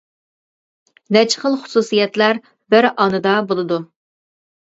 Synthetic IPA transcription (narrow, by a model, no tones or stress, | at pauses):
nɛt͡ʃχəlˠχʊ̥susijɛt̪læɾ | bɪɾʔɑnɨd̪ɑbolˠɨd̪u